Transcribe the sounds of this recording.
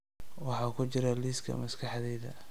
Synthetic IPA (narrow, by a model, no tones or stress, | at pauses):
wɑħɑːkʰʊt͡ʃɪɾɐliskʰɐ̰mɐskʰɑħðɛːðɐ̰